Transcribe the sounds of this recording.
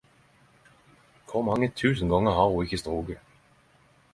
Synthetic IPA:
kʰɔmɑŋːət̪ʰʉːsən̩ɡɑŋːəhɑːuɪçəst̪ʁuːɡə

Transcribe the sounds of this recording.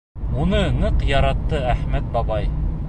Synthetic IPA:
unɤnɤqjɑɾɑt̪ːɤæχmæt̪̚bɑbɑj

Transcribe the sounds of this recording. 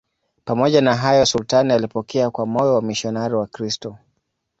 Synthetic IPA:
pamɔʄanaɦajɔsultanijalipɔkʰɛakwamɔjɔwamiʃɔnaɾiwakɾistɔ

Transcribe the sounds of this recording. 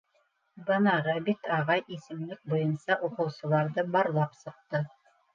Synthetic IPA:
bɤ̆nɑʁɤbit̪ɑʁɑjʔisɘ̆mlɘk̚bujɤnsɑʔuqɤ̆wsɤ̆lˠɑɾðɤbɑɾlˠɑpsɤ̆q̚t̪ɤ

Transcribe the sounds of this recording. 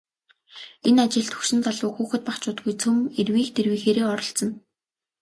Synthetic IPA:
enat͡ɕɪ̆ɮt̪ʰɵ̥kʃɪ̆nt͡saɮʊːxuːxɘ̆t̪̚paχt͡ɕʊːt̪ɡujt͡sʰɵmerwiːxt̪ʰerwiːxeːɾeːɔɾɞ̆ɬt͡sə̆n

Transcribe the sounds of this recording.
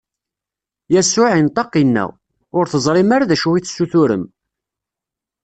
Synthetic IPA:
jæsːʊʕint̪ˤɑqːinːæ̰ | ʊɾθəzˤɾˤɪmaɾaðæʃuwiθəsːuθʊɾə̰m

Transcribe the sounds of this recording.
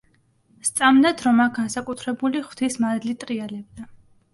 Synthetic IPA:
st̪sʼamnat̪ʰɾɔmak̚ɡansakʼut̪ʰɾɛbuliχw̥t̪ʰismad̪lit̪ʼɾialɛb̚d̪a

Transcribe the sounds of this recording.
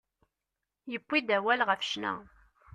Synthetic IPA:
jəpːid̪æwælʁəfʃnæ̰

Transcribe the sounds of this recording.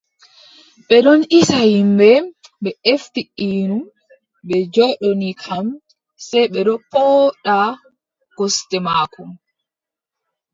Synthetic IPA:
ɓɛɗɔnʔisahimbɛ | ɓɛeftiʔinum | bɛd͡ʒɔɗɔnikʰam | sɛjɓɛɗɔpɔɗa | ɡ̥ɔstɛmaːkum

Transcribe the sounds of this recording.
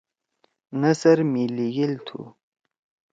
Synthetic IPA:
nəsɐɾmiliɡilt̪ʰṵ

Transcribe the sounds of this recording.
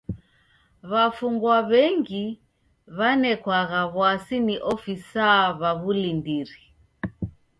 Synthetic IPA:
βafuŋɡwaβɛŋɡi | βanɛkwaɣaβwasiniʔɔfisaβaβulindiɾi

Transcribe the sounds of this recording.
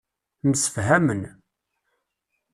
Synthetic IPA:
nsə̥fɦæmən

